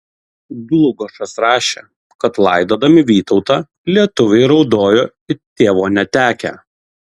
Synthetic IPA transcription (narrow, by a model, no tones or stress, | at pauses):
ɡlˠʊɡoʃɐsɾɑːʃʲḛ | kɐt̪lˠɐɪd̪oːd̪ɐmʲɪʋʲiːt̪ɒʊt̪ɑː | lʲiɛt̪ʊʋʲɛɪɾɒʊd̪oːjoː | ɪt̪ʲeːʋoːnʲɛt̪ʲæːkʲæ̰